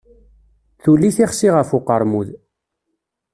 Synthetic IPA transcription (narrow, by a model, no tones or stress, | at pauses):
θulːiθiχsiʁəfuqəɾˤmuð